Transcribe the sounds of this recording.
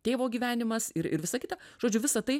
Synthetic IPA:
t̪ʲeːʋoːɡʲiːʋʲæːnʲɪmɐsɪɾɪ̰ɾʋʲɪsɐkʲɪt̪ɐʒ̥oːd͡ʒʲʊʋʲɪsɐt̪ɐɪ

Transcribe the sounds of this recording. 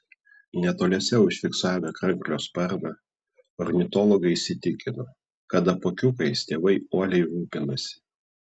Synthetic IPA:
nʲɛt̪oːlʲeɛsʲɛʊʃʲfʲɪksɑːmʲɛkɾɐŋʲkʲlʲoːspɐɾmɐ | ɔɾʲnʲɪt̪ɔlˠɔɡɐɪɪsʲɪt̪ʲɪkʲɪno | kɐt̪ɐpoːkʲʊkɐɪst̪ʲeːʋɐɪoːlʲɛɪɾuːpʲɪnɐsʲɪ̥

